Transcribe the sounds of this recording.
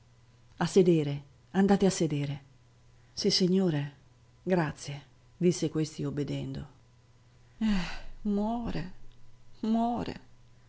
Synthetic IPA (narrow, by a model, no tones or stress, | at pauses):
asːed̪ɛːɾe | and̪aːt̪easːed̪ɛːɾe | sisːiɲːoːɾe | ɡɾat̪sje | d̪isːekwest̪iobed̪ɛnd̪o | ɛmwɔːɾḛ | mwɔːɾḛ